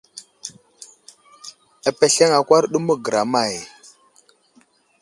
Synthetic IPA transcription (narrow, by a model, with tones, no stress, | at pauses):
a˨pe˨ɬe˦ŋa˨kʷa˦ɾɗu˦mə˦ɡə˨ɾa˨ma˨j